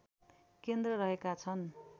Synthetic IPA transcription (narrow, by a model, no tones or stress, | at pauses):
kend̪rʌɾʌɦekat͡sʰʌn